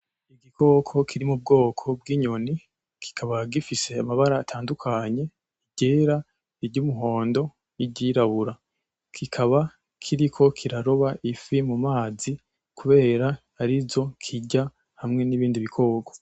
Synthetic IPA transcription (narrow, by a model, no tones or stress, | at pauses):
iɡiko̞ːkʰo̞kʰiɾimub̚ɡo̞ːkʰo̞b̚ɡiɲo̞ni | kʰi̥kʰaβaɡifise̞amaβaɾaːtʰaːndukʰaɲe̞ | iɟeːɾa | iɾɟuːmuɦo̞ːndo̞ | iɟiɾaβuɾa | kʰikʰaβa | kʰiɾikʰo̞kʰiɾaɾo̞βaʔifimumaːzi | kuβe̞ːɾahaɾizo̞kʰiɟa | hamŋe̞niβiːndiβikʰo̞ːko̞̥